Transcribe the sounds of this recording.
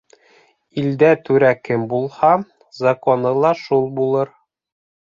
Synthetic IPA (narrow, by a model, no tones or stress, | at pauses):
ild̪æt̪ʉɾækɘmbulˠhɑ | zɑkonɤ̆lˠɑʃulˠbulˠɤɾ